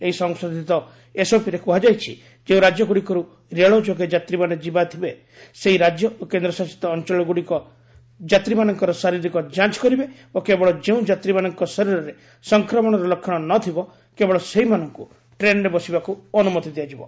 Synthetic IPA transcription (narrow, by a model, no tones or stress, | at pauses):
eɦisɔŋsod̪ʱit̪ɔ | esopiɾekuɦad͡ʒajt͡ʃʰḭ | d͡ʒeũɾad͡ʒjɔɡuɽikɔɾu | ɾeɭɔd͡ʒoɡed͡ʒat̪ɾimaned͡ʒibat̪ʰibe | seɦiɾad͡ʒjɔokend̪ɾɔsasi̥t̪ɔːnt͡ʃɔɭɔɡuɽikɔ | d͡ʒat̪ɾimanɔŋkɔɾɔsaɾiɾikɔd͡ʒãt͡ʃkɔɾibebokebɔɭɔd͡ʒeũd͡ʒat̪ɾimanɔŋkɔsɔɾiɾɔɾe | sɔŋkɾɔmɔɽ̃ɔɾɔlokʰːjɔɽ̃ɔnɔt̪ʰibɔ | kebɔɭɔseɦimanɔŋku | ʈɾenɾebɔsibakuɔnumɔt̪id̪iad͡ʒibɔ̰